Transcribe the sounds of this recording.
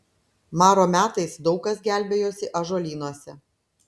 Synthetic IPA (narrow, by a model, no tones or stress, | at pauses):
mɑːɾoːmʲæːt̪ɐɪsd̪ɒʊkɐsɡʲæˑlʲbʲeːjoːsʲɪʔɐʒoːlʲiːnuɔsʲɛ